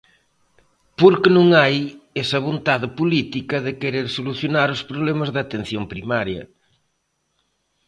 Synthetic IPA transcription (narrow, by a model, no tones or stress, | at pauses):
poɾkenõŋajesɐβ̞õnt̪aðepolit̪ikɐðekeɾeɾsoluθjonaɾospɾoβ̞lemɐzðat̪ẽn̟θjoŋpɾimaɾjɐ̰